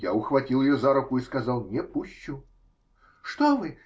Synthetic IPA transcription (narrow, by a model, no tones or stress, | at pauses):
jaʊxvɐtʲilˠjɪjɔzaɾʊkʊiskazalˠnʲɛpuɕʲt͡ʃʊ | ʂt̪ɔmɨ